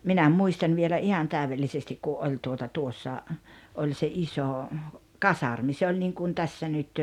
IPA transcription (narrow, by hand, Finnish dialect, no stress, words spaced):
minæ muistɑn ʋielæ ʔihɑn tæˑyʋelːisestik ku ʔolʲ tuotɑ tuosːɑ olʲ se isoˑ kɑsɑrmi se olʲ niŋkum tæsːæ nyt